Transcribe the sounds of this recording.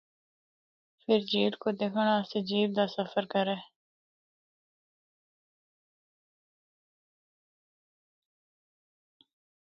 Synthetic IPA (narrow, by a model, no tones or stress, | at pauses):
fɪɾd͡ʑiːʈkod̪ekʰəɽ̃aːsed͡ʑiːb̚d̪asɐfəɾkɐɾeː